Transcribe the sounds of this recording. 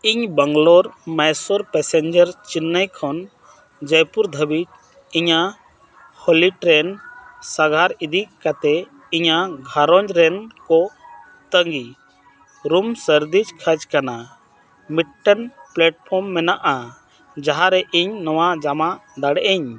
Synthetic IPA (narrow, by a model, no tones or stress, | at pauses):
iɲbəŋɡlɔɾmɛjsɔɾpɛsɛɲd͡ʒəɾt͡ʃinːəjkʰɔn | d͡ʒəjpuɾd̪ʱəbit̪ | iɲa | hɔliʈɾɛnsaɡʱaɾid̪ikat̪ɛ | iɲaɡʱaɾɔɲd͡ʒɾɛnkɔ | t̪əŋɡi | ɾumsəɾd̪id͡ʒkʰəd͡ʒkana | miʈʈːənplɛʈ̚pʰɔɾmːɛnaʔa | d͡ʒaɦaɾɛʔiɲnɔwad͡ʒamad̪aɽɛʔɛɲ